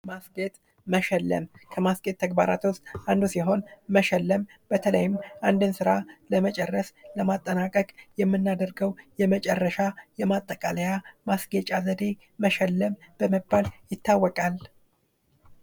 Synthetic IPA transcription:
masɡet̪ʼ | məʃɛlːə̰mkʰəmasɡʼet̪̚ʰːəɡ̚ba̰ɾa̰t̪wʊst̪ʼʔand̪usiɦo̞nməʃɛlːəm | b̥ət̪ʰələ̰jɪmʔand̪ɨnsɨɾaləmət͡ʃʼɛrːəsləmat̪ʼːənakʼəkʼjɛmːɨnːad̪əɾɡəwjɛmət͡ʃʼɛrːəʃajɛmat̪ʼːəkʼaləjamasɡet͡ʃʼazəd̪e̞ː | əʃɛlːəmb̥əməbːaljɪt̪ːawːɔkʼal

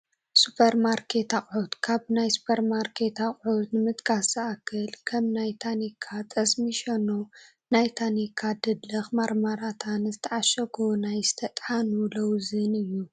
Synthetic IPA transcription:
supʰɐɾmaɾkʰe̞t̪aχʼʕut̪kʰaβnajsu̥pʰɐɾmaɾkʰe̞t̪aχʼʕut̪nɨmɨt̪kʰasɐʔakʰːɨlkʰɐmnajt̪ʰanikʰːat̪ʼɐsmiʃɐno | najt̪ʰanikʰːad̪ɨd̪lɐxmaɾmaɾat̪ʰanzɨt̪ʰɐʕaʃɐɡʰonajzɨ̥t̪ʰɐt̪ʼħanulɐwzɨnɨjːu

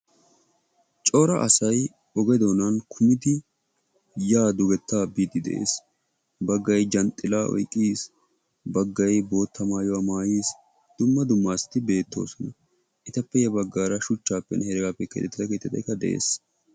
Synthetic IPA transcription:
t͡ʃʼɔːɾɐʔɐsɐj | ɔɡɛd̪o̞ːnɐnkʰʊmɪd̪ɪ | jaːd̪ʊɡɛt̪ːaːbiːt̪ːɪd̪ɛ̰ʔḛːs | bɐɡːɐjd͡ʒɐnt̪ʼːɪlaːʔɔ̰jkʼːiːs | bɐɡːɐjbo̞ːt̪ʰːɐmaːjɔwaːmaːjiːs | d̪̥ʊmːɐd̪ʊmːaːst̪ːɪbe̞ːt̪ːo̞̰ːsɔnɐ | ʔɪt̪ɐpːɛjɛbɐɡːaːɾɐʃʊt͡ʃːaːpːɛ̰nhɛɾɪɡapːɛkḛːt̪ːɛt̪ːɪt̪ɐkeːt̪ːɪt̪ɐ̰jkːɐd̪ɛ̰ʔḛːs

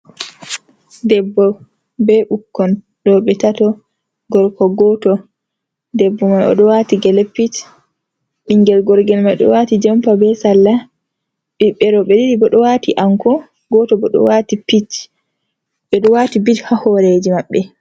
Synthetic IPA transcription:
dɛbːɔ | bɛʔukːɔn | ɗɔɓɛtatɔ | ɡɔɾkɔɡɔtɔ | dɛbːɔmajɔ̰ɗɔwatiɡɛlɛpːit | ɓiŋɡɛlɡɔɾɡɛlmajɗɔ̰watid͡ʒɛmpabɛsalːa | ɓiɓɛɾɔɓɛdiɾibɔɗɔwatiʔaŋkɔ | ɡɔtɔbɔɗɔ̰watipit | ɓɛɗɔwatibithahɔɾed͡ʒimaɓːɛ

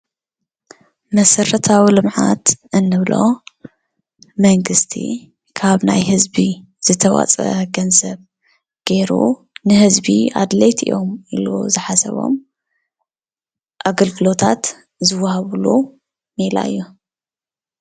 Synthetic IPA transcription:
mɐsɐɾɐt̪ʰawilɨmʕat̪ʔɨnːɨβlo̞ | mɐŋɡɨst̪ʰḭ | kʰaβna̰jhɨzbi | z̥ɨt̪ʰɐwa̰t͡sʼɐɡɐnzɐβ | ɡ̥e̞ɾṵ | nɨhɨzbiad̪lejt̪ʰḭjo̞miluzɨħasɐ̰βo̞̰m | ʔaɡɐlɡɨlo̞t̪ʰat̪ | zɨwːahaβlu | mela̰jːu

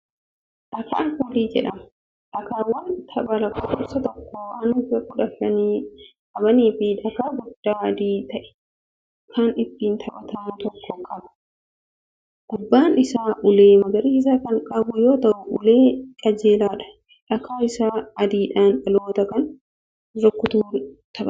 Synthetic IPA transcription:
ᶑɐka̰ːŋkʊːliːd͡ʒɛ̰ᶑɐmɐ | ᶑɐkaːwɐnt̪ʰɐbɐɾɐkʼʊʔɔsɐt̪ɔkːoːɐnɪbɐkʊᶑɐfːɐniːkʼɐbɐniːfɪᶑɐkaːɡʊd̪ːaːd̪iːt̪ɐʔɛ̥ | kɐnɪt̪ːiːnt̪ʰɐbɐt̪ɐmʊt̪ɔkːɔkʼɐbɐ̥ | ɡ̥ʊbːaːnɪsaːʔʊleːmɐɡɐɾiɪs̬akɐŋkʼɐbʊjoːt̪ɐʔʊʔʊleːkʼɐd͡ʒeːlaːᶑɐ̥ | ᶑɐkaːɪsaːɐd̪iːᶑaːnᶑɐloːt̪ɐkɐn | ɾɔkːʊt̪uːt̪ʰɐbɐ

